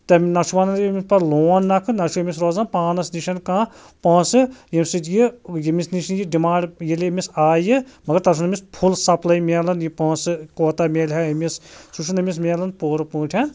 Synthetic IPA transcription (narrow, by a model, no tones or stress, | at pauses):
t̪ɐmnɐt͡ʃʰuʋaːnɐnmʲispɐɾloːnːɐkʰɨnɐʃʰuɐmʲis̬ɾoːzɐnpaːnɐsniʃɐnkãː | pɐ̃ːsɨjɐmʲsit̪jijimisniʃinjiɖimãːɳɖjilʲemʲisaːjɨmɐɡɐɾt̪ɐɾʃʰunɐmʲispʰulsɐplɐjmʲeːlɐnjipɐːsɨkoːt̪amʲeːlʲɦɐɐmissuʃʰunɐmʲis̬mʲeːlɐnpoːɾɐpũːʈʰɐn